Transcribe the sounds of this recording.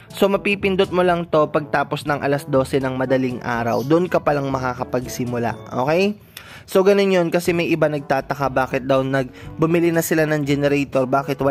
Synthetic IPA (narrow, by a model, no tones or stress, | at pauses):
so̞mɐpipɪnd̪ot̪̚molɐŋt̪o̞pɐɡ̚t̪aːpo̞snɐŋʔɐ̰lɐsd̪o̞ːsɛnɐŋmɐd̪ɐliŋʔa̰ːɾɐ̰wd̪ʊʔonkɐpɐlaŋmɐkakɐpɐɡsɪmʊla̰ʔo̞̰ːkɛj | so̞ɡɐno̞njo̞nkɐsɛmɐjʔɪbanɐɡ̚t̪aːt̪ɐkabaːkɪt̪̚d̪ɐwnɐɡ̚bʊmɪlinɐsɪlanɐŋd͡ʒɛnɛɾɛjt̪o̞ɾbaːkɪt̪wɐ